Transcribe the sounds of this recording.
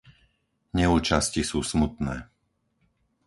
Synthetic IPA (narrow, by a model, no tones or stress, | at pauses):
ɲɛuːt͡ʃascisuːsmut̪nɛː